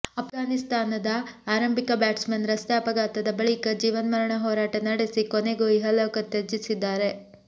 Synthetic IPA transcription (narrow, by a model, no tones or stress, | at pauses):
ɐpʰɡaːnist̪aːnɐd̪ɐaːɾɐmbikɐbaːʈsmenɾɐst̪eɐpɐɡaːt̪ɐd̪ɐbɐɭikɐd͡ʒiːʋɐnmɐɾɐɳɐɦɔːɾaːʈɐnɐɽesikoneɡuiɦɐlɔːkɐt̪ːed͡ʒisid̪ːaːɾe̞